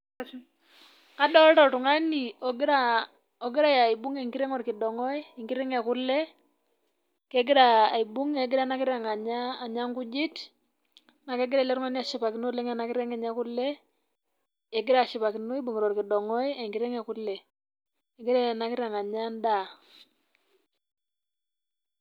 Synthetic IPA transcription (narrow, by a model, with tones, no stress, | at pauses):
ka˦dɔ˦ltɔ˦˨tu˨ŋa˦ni˨ɔ˨ɡɪ˦ɾa˨ | ɔ˨ɡɪ˦ɾa˦ja˨i˨bu˦ŋe˦˨ŋki˦ɾɛ˦ŋɔ˦ɾkɪ˨dɔ˨ŋɔ˦i˦i˨ŋkɪ˦ɾɛ˦ŋɛ˨ku˦lɛ˦ | kɛ˦ɡɪ˦ɾaː˨i˨bu˦ŋe˨˦ɡɪ˦ɾa˦na˦kɪ˦ɾa˨ŋa˨ɲaː˦˨ɲa˦ŋku˦d͡ʒi˦t | na˨kɛ˦ɡɪ˦ɾa˦˨lɛ˦ɾŋa˦ni˦a˨ʃi˨pa˨ki˨˦no˦lɛ˦ŋa˨na˨kɪ˦ɾɛ˦ŋɛ˨ɲa˦ku˦lɛ˦ | e˨ɡɪ˦ɾa˨ʃi˨pa˨ki˨no˦i˦bu˨ŋe˨ɾɔ˨ɾkɪ˨dɔ˨ŋɔ˦je˨ŋkɪ˦ɾɛ˦ŋɛ˨ku˦lɛ˨ | e˨ɡɪ˦ɾa˦˨na˦kɪ˦ɾa˨ŋa˨ɲa˦nda˦˨